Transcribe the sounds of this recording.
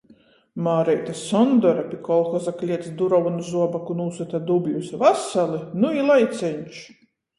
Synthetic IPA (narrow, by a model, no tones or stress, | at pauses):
maːɾɛjt̪asɔnd̪ɔɾapʲikɔlˠxɔzaklʲiɛt̪sd̪uɾɔvunuzuɔbakunuːsut̪ad̪ubjusvasalˠinuilˠajt̪sʲɛɲʲt͡ʃ